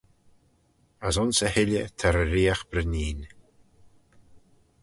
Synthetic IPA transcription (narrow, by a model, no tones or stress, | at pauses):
asʊnsəhɪlʲət̪ʰaɾəɾiːaxbɾəniːn